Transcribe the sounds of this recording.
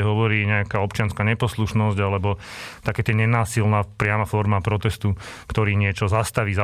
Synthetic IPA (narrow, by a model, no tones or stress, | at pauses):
ɛɦɔʋɔɾiːɲɛakaːɔpt͡ʃɪanskaɲɛpɔsluʃnɔzɟalɛbɔ | t̪akɛːt̪ɪɛɲɛnaːsilnaːpɾɪamafɔɾmapɾɔt̪ɛst̪ukt̪ɔɾiːɲɪɛt͡ʃɔzast̪aʋiːza